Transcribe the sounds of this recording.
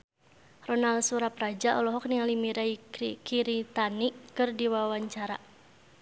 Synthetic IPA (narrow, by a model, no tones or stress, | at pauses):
rɔnalsuɾaprad͡ʒaʔɔlɔɦɔk̚niŋalimiɾaikiɾit̪aniɨrdiwawaɲt͡ʃaɾa